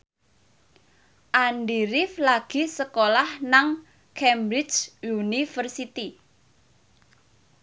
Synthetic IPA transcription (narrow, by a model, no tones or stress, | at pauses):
ʔanɖiɾɪflaɡ̥i̤səkolahnaŋ | kʰɛmbɾɪt͡ʃunifərsit̪i